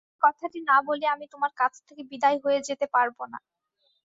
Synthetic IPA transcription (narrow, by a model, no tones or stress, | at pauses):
kɔt̪ʰaʈinaboliamit̪omaɾkat͡ɕʰt̪ʰekebid̪ajɦoed͡ʑet̪epaɾbona̰